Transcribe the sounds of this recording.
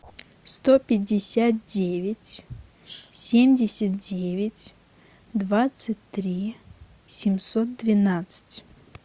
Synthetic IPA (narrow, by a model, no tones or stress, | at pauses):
st̪opʲɪdʲːɪsʲat̪̚dʲevʲɪtʲ | sʲemʲdʲɪsʲət̪̚dʲevʲɪtʲ | d̪vat̪sɨt̚ʲt̪ɾʲi | sʲɪmsot̪̚d̪vʲɪnat̪sɨ̥tʲ